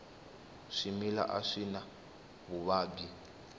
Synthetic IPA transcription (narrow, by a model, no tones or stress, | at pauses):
ʂimila̰ʔaʂina | βuβaːɡi